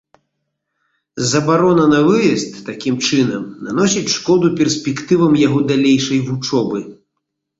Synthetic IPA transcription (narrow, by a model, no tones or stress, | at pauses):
zɐbaɾɔnɐnɐvɨjɛst̪ːakʲimt͡ʂɨnɐmnanɔsʲit͡sʲʂkɔd̪upʲɛrsʲpʲɛkt̪ɨvɐmjaɣɔd̪alʲejʂɐjvut͡ʂɔbɨ